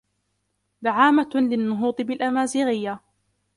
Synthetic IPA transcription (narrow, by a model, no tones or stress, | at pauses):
ðaʕaːmalɪnːʊɦuːt̪ˤɨbɪlʔamaːzɪɣɪjːa